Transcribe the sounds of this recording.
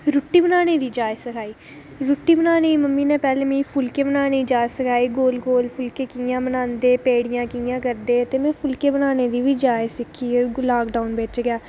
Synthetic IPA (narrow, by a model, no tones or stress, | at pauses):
ɾʊːʈːiːbənaːneːd̪iːd͡ʒaːesəkʰaːiː | ɾʊːʈːiːbənaːneːiməmːiːnɛ̃ːpɛːlẽːmĩːpʰʊlkeːbənaːned͡ʒaːsəkʰaːiːɡoːlɡoːlpʰʊlkeːkijãːbənãːnd̪eːpeːɽɪjãːkijãːkəɾd̪eːt̪eːmɛ̃ːpʰʊlkeːbənaːneːd̪iːʋiːd͡ʒaːesɪkʰːiːlaːkɖaːʊnbeːt͡ʃɡɪjaː